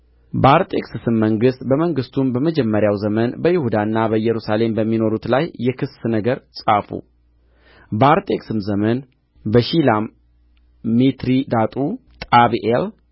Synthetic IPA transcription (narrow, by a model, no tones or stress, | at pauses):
bəaɾt̪ʼeksɨsɨmːəŋɡɨst̪bəməŋɡɨst̪ʰumbəməd͡ʒɛmːəɾjawzəmənbəjɪhud̪anːabəjːɛɾusale̞mbəmːino̞ɾut̪lajːɛkʰɨsnəɡəɾsʼafṵ | bəaɾt̪ʼe̞ksɨmzəmən | bəʃilamː | it̪ɾid̪at̪ʼut̪ʼaβiʔel